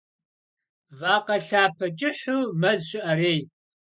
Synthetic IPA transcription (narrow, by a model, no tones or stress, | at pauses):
vaːqɐɬaːpʰɐt͡ʃʼɪħumɐzɕʷɪʔɐɾeːj